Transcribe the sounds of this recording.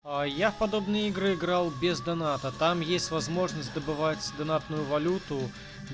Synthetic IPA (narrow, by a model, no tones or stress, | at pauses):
ajafpɐd̪obnɨjəɪɡɾɨɪɡɾalˠbʲɪzd̪ɐnat̪ət̪amjesʲtʲvɐzmo̞ʐnəsʲtʲd̪əbɨvat͡sʲd̪ɐnat̪nʊjʊvɐlʲut̪ʊ